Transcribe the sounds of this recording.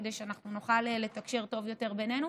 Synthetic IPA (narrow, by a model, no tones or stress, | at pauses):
d̪eʃeanaχnunuχalele̞t̪akʃeʁt̪o̞vjo̞t̪e̞ʁbenenu